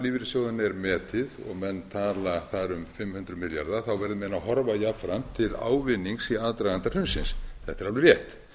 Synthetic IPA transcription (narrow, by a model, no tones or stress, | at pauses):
livɪɾsjɔwðanɛɾmɛːt̪ʰɪðɔ̰ɣmɛnːt̪ʰaːlaθaɾʏmfɪmːhʏnt̪ɾʏmɪlja̰ɾðaθawvɛɾðɪmɛnaɦɔɾvajafɾamt̪ʰɪla̰ːwvɪnːiŋsiaðt̪ɾaɣant̪ar̥ʏmsɪnsθɛht̪ːɛɾavlʏɾjɛht̪